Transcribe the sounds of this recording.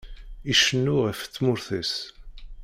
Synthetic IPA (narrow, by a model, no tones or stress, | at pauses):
iʃənːʊʁəfθːmʊɾθæs